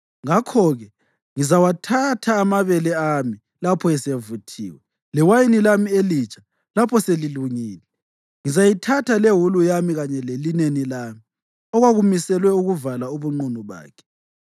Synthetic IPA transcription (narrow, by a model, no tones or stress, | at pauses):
ŋakʰɔɣɛ | ŋizawatʰatʰaːmaβɛlɛami | lapʰɔɛsevutʰḭːwɛ | lɛwajinilamielit͡ʃʼʰḁ | lapʰɔseliluŋiːlɛ | ŋizajitʰatʰaleɦulujamiɣaɲɛlelinenilami | ɔɣwaɣumisɛlwɛuɣuvalauβuŋ͡ǃunuβa̰ːkʰɛ̥